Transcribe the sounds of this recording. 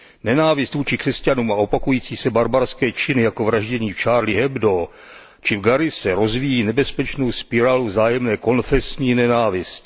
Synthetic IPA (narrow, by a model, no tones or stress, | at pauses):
nɛnaːvɪst̪vuːt͡ʃɪkr̥ɛscanuːmao̞pakujiːt͡siːsɛbaɾbaɾskɛːt͡ʃɪnɪjako̞vɾaʒɟɛɲiːft͡ʃaːɾlɪɦɛbdo | t͡ʃɪvɡaɾɪsɛɾo̞zvijiːnɛbɛspɛt͡ʃno̞wspɪɾaːluvzaːjɛmnɛːko̞nfɛsɲiːnɛnaːvɪsc